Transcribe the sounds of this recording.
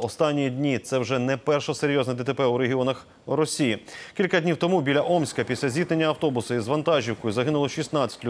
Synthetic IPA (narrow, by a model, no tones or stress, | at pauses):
ɔst̪ɑnʲːiid̪ʲnʲit̪sɛwʒɛnɛpɛrʃɔseɾʲjɔznɛd̪et̪epɛuɾeɦʲiɔnɐx | rɔsʲijikʲilʲkɐdʲnʲiwt̪ɔmubʲilʲɐʔɔmsʲkɐpʲisʲlʲɐzʲit̪nenʲːɐɐwt̪ɔbʊsʊizʋɐnt̪ɑʒʲiwkɔjʊzɐɦɪnʊlˠɔʃisnɑt͡sʲɐ̥tʲlʲʊ